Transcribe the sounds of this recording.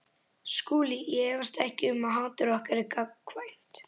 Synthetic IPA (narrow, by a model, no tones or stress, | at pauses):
skuːliɛvast̪ɛhcɪʏmaɦaːt̪ʏɾɔhkaɾɪkavajn̥t̪